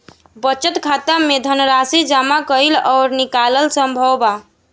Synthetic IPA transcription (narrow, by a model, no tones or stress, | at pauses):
bət͡ʃət̪kʰat̪əmed̪ʱənɾasid͡ʒamakəjlɔʊɾnikaləlsəmbʱəwba